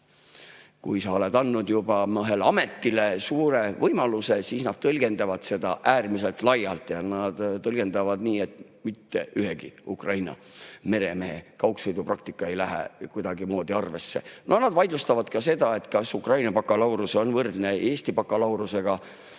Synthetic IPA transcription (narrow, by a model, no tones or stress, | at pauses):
kujsɑo̞le̞d̪ɑnːud̪jub̥ɑmɤɦelɑme̞t̪ːile̞suːɾe̞vɤjmɑluse̞siːsnɑd̪̥̚t̪ɤlɡ̥e̞nd̪̥ɑvɑd̪̥se̞d̪̥ɑ̰ʔæːrmise̞lt̪lɑjɑ̰lt̪ˑjɑnɑd̪̥t̪ɤlɡ̥e̞nd̪ɑvɑd̪niːe̞t̪ | mit̪ːe̞ʔyɦeɡ̥ḭukrʔɑjnɑ̰ | me̞ɾe̞meɦekɑwksojd̪uprɑk̚t̪ikːˑɑe̞jlæɦḛkujd̪̥ɑɡimo̞ːd̪iɑrve̞sːe̞̰nʔo̞nɑd̪vɑjd̪lust̪ɑvɑd̪̥kɑse̞d̪̥ɑe̞t̪ːˑkɑsukrɑjnɑpɑkːˑɑlɑwɾuso̞nvɤrd̪ne̞e̞ːst̪ipɑkːˑɑlɑwɾuse̞ɡ̥ɑ